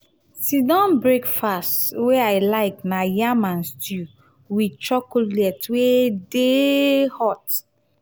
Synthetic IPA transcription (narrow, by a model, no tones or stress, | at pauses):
sidɔ̃nbɹekfastweaɪlaɪknajamãnstu | wit͡ʃɔkulɛtwedehɔt